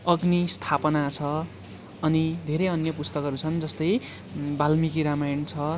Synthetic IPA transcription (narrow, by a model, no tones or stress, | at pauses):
ʌɡnist̪ʰapʌnat͡sʰʌ | ʌnid̪ʱeɾʌjʌnjʌpust̪ʌkɦʌɾut͡sʰʌnd͡zʌst̪ʌj | balmikiɾamajʌnt͡sʰʌ